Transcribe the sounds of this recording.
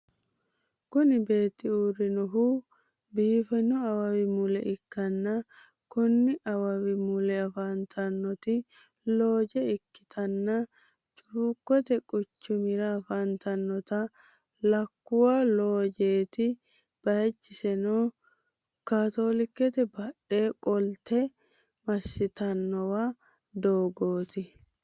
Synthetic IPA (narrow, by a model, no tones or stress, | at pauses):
kʊnɪbe̞ːt̪ːɪuːɾɪnɔɦuː | biːfɛnɔɐwɐwɪmʊlɛ̰ʔɪkːɐnːɐ | kɔnːɪʔɐwɐwɪmʊlɛɐfaːnt̪ʰɐnːɔt̪ɪ | lo̞ːd͡ʒɛɪkːɪ̥t̪ʰɐnːɐ | t͡ʃʼuːkːɔt̪ɛkʼʊt͡ʃːʊmɪɾɐːfaːnt̪ɐnːɔt̪ɐ | lɐkːʊwaːlo̞ːd͡ʒeːt̪ɪ | b̥ɐjɐt͡ʃːɪsɛnoː | kaːt̪o̞ːlɪkːɛt̪ɛbɐᶑe̞ːkʼɔlt̪ɛ | mɐsːɪt̪ɐnːɔwaː | d̪oːɡoːt̪ɪ